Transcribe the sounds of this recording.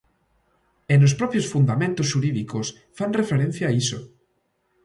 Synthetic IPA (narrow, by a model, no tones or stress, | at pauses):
enos̬pɾɔpjosfund̪amẽnt̪osʃuɾiðikos | fanrefeɾen̟θjaːiso